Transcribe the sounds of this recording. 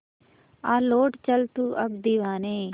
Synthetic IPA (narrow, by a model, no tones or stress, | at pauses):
aːloːʈt͡ʃəlt̪uːʔɐbd̪iʋaːneː